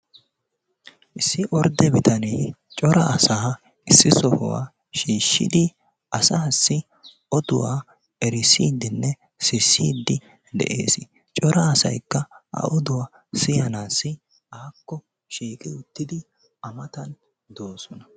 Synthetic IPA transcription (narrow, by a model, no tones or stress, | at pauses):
ʔɪsːɪʔɔɾd̪ɛbɪt̪ɐnej | t͡ʃʼɔɾɐːsaː | ɪsːɪsɔhʊ̰wa̰ː | ʃiːʃːɪ̰d̪ɪ | ʔɐsaːsːɪ | ʔɔd̪ʊwa̰ː | ɛɾɪsiːd̪ːɪnːɛ | sɪsːḭːd̪ːɪ | d̪ɛ̰ʔḛːsɪ | t͡ʃʼɔɾɐːsɐ̰jkːɐʔɐ̰ʔɔd̪ʊwaː | sɪjɐnaːsːɪ | aːkːɔ | ʃiːkʼɪʊt̪ːɪd̪ɪ | ɐmɐt̪ɐn | d̪oːsɔnɐ